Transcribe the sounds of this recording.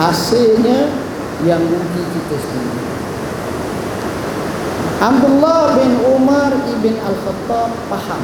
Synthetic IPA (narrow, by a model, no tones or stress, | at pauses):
ɦasɪlɲa | jaŋmuɡit̪it̪əsin̰ | hamd̪ulːabɪnumaribɪnalxət̪ːɔbːaham